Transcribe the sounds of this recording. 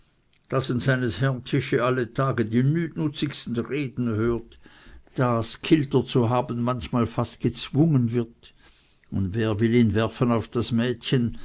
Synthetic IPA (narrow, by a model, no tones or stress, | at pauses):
d̥asɪntsaɪnəshɛɐntʰɪʃəalːətʰaːɡədiːnyːnʊt͡sɪçstn̩ʁeːdn̩høːɐtd̥aːskʰɪltət͡suɦaːbən̩mançmaːlfast̚ɡ̥ət͡sv̥ʊŋənvɪɐt | ʊndveːɐvɪliːnvɛɐfənaʊfd̥asmɛːtçən